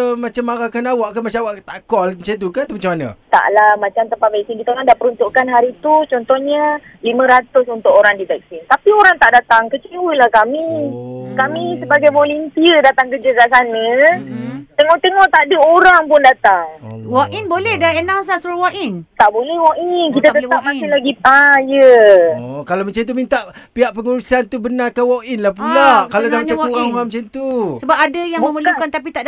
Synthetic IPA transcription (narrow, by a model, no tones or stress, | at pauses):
mat͡ʃamːaɾakanawaʔkamat͡ʃaawaʔt̪aʔkɔlmt͡ʃat̪̬ukant̪mat͡ʃamana̰t̪a̰ʔlamat͡ʃamt̪əmpavasinkit̪aladapəɾunt̪uʔkanɦaɾit̪ut͡ʃɔnt̪ɔhɲa | limə̃ɾat̪ʊsunt̪ʊkoɾaŋdit̪ɛk̚sint̪apioɾaŋt̪aʔdat̪aŋkət͡ʃiwəlahkamikamisəbaɡajvolimpiədat̪aŋkəd͡ʒəkaʔs̬anə̃ | t̪eŋɔʔt̪eŋɔʔt̪adəoɾaŋpʊndat̪aŋwakinbolɛhdaənãwns̬lasuɾwakint̪aʔbolɛhwɔkik̬it̪at̪əw̪amasilaɡipajəokalamət͡ʃamt̪̬umint̪aʔ | piɦaʔpəŋuɾusant̪ubənakawɔkinlahpunlakaladamt͡ʃauaŋamət͡ʃant̪usəbap̚adəjaŋbməməlukant̪ap̬it̪aʔd